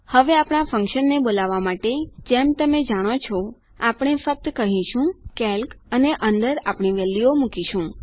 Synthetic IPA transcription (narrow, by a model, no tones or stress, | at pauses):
həʋeapɽ̃afə̃ŋkʃənːebolaʋamaʈed͡ʒemt̪əmed͡ʒaɽ̃ot͡ʃʰɔ | apɽ̃efək̚t̪kəɦĩʃũkɛlkəneʔənd̪əɾapɳ̃iʋɛlːiomukiʃũ